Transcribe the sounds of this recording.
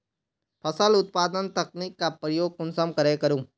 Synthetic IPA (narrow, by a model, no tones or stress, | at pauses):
pʰɐsəlʊt̪̚paːd̪ənt̪ɐknikːapɾəjoːɡ̚kʊnsəmkɐɾekɐɾũː